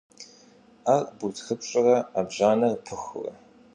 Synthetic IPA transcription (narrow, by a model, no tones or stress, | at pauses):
arbutxɨpʷʼt͡ʃʼɪrɐabʑaːnɐrpʰɨxʷʊ̰rɐ̰